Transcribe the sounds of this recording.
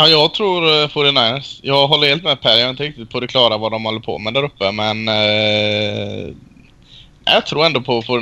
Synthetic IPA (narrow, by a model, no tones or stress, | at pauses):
ɑjɑːɡt̪ʰɾuːɾfʊɾɛnajsjɑːɡɦɔlːəɾheːlt̪mɛpʰæɾjaːɪnt̪əɾɪk̚t̪ɪt̪̚b̥uːd̪əkʰlɑːɾavad̪ɔmhɔlːəɾpʰɔ̰mɛd̪æɾɵpːəmɛn | ɛ̰jɑt̪ʰɾuːɾɛnd̪oːpʰɔfː